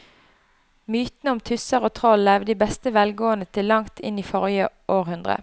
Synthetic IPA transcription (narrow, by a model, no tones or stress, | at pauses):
myːt̪nəʊmt̪ʰʉsəʁoːt̪ʰʁɔlːɛʋd̪iːbɛst̪əʋɛlɡoːənət̪ʰɪlːɑŋt̪ʰɪ̰niːfɔʁjəʔoːʁhʉnd̪ʁə̰